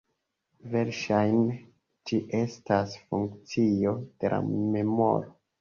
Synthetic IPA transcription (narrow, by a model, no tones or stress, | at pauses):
ve̞ɾʃajn | d͡ʒiʔe̞stasfuŋkt͡sio̞d̥e̞lʔa̰me̞mo̞̰ɾo